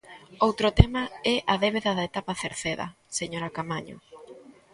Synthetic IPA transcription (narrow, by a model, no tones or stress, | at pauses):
owt̪ɾʊt̪ɛmaɛʔaðeβ̞eðɐðaet̪apaθeɾθeðɐ̰ | seɲoɾakamaɲo̰